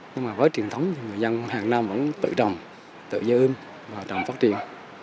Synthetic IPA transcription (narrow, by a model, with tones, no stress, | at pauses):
ɲɨ˧ŋmaː˨˩vəː˨˦jt͡ɕi˨˩ənt̪ʰə˨˦wŋ͡mt̪ʰi˧˨˩ŋɨ˨˩əjzə˧nhaː˨˩ŋnaː˧mvə̰˧˥nt̪ɨ̰˧˨t͡ɕə˨˩wŋ͡m | t̪ɨ̰˧˨zəː˧jʔɨ˧n | vaː˨˩t͡ɕə˨˩wŋ͡mfa˦˥t̚t͡ɕḭ˧˨ən